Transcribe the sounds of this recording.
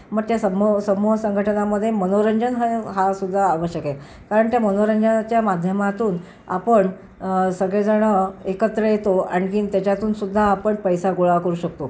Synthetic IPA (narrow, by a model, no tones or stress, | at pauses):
məɡ̚t̪jasəmosəmoɦsəŋɡʱəʈʰənaməd̪ʱːjemənoɾəɲd͡ʑənɦɦasud̪ʱːaːʋəɕjəkek | kaɾəɳt̪jamənoɾəɲd͡ʑənt͡ɕjamad̪ʱjəmat̪uːn | apəɳ | səɡɭed͡zəɽ̃əekət̪ɾəjet̪oã̰ikint̪jat͡ɕat̪uːnsud̪ʱːaːpəɳpəjsaɡuɭakəɾuːɕək̚t̪o